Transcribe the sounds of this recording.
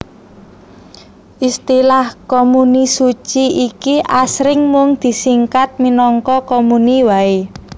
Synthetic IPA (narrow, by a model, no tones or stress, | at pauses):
ʔist̪ilahkomunisu̥t͡ʃiikiʔasɾɪŋmʊŋd̪̥i̤siŋkat̪̚minɔŋkɔkomuniwae